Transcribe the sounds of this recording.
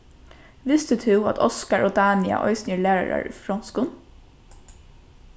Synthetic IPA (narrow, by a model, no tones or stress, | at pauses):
ʋɪst̪ət̪ʰʉɑt̪ʰɔskɑɹoːd̪æːnɪɑ̰ʔɔʏsnjəleːɾɑɹɑ̰ɹ̰fɹɔnskʊn